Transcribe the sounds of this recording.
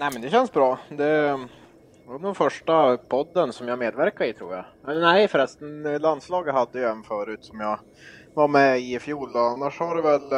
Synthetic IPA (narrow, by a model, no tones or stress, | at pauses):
næɪmɛnd̪ɛɕɛnːsbɾɑːd̪ɛ | ad̪ɛfœʂʈapʰɔd̪ːənsɔmjameːd̪væɾkaɾɪt̪ʰɾṵːɾja̰ɛlnɛɪfœɾɛst̪ənland̪slɑːɡət̪had̪ːəjɛnfœːɾʉ̟ːt̪sɔmjɑ | vaɾmɛɪfjuːlɔanːaʂhaɖɛvɛl